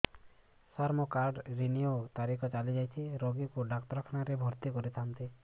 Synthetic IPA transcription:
saɾmɔkaɾɖɾiniot̪aɾikʰɔt͡ʃalid͡ʒajt̪ʰiɾoɡikuɖakt̪ɾɔkʰnaɾebʱɔɾt̪ikɔɾit̪ʰant̪i

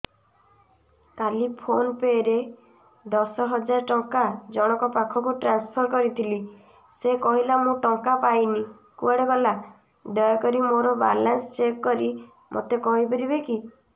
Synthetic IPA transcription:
kalipʰonpeɾe | d̪ɔsɔɦɔd͡ʒaɾɔʈɔŋkad͡ʒɔɽ̃ɔkɔpakʰɔkuʈɾanspʰɔɾkɔɾit̪ʰili | sekɔɦilamũʈɔŋkapajni | kuaɽebela | ɖɔjɔkɔɾimoɾɔba̰lanst͡ʃekkɔɾi | mʔo̰t̪ekɔɦibɔɾibeki

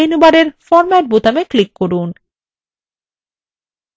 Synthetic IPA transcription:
enubaɾeɾfɔɾmɛʈ̚but̪ameklikːoɾun

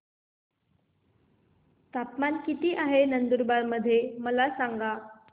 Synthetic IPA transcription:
t̪apmankit̪iːʔaɦenənd̪uɾbaɾməd̪ʱːjeməlasaŋɡa

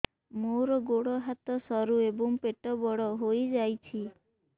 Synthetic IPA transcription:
moɾɔɡoɽɔɦat̪ɔsɔɾuebɔŋpeʈɔbɔɽɔɦojd͡ʒajt͡ʃʰi

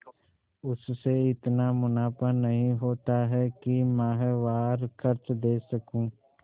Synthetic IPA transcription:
ʊsːeɪt̪namʊnaːpənɐɦĩɦoːt̪aɦɛkimãːɦeʋaːɾkʰəɾt͡ʃd̪eːsɐkũː

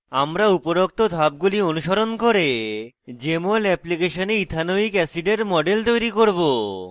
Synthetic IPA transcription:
amɾaupoɾok̚t̪od̪ʱab̚ɡulionuʃoɾonkoɾe | d͡ʑemolɛplikeʃoneid̪ʱʰanoikɛsiɖeɾmɔɖelt̪ojɾikoɾbo

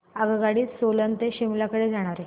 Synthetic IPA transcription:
aɡəɡaɽiːsolənt̪eɕimlakəɽed͡zaɽ̃aɾe

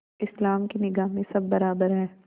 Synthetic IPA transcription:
ɪslaːmkinɪɡaːɦmẽsɐbːɐɾaːbəɾɦɛː

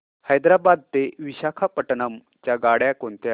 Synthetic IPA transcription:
həjd̪ɾabad̪̚t̪eʋiɕakʰapəʈnam | t͡ɕjaɡaɽjakont̪ja

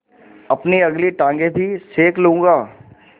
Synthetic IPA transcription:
ɐpniɐɡliʈãːŋɡebʱiseːklũːŋɡaː

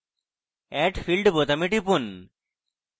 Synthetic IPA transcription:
ɛʈfʰilɖbot̪ɐmiʈipun

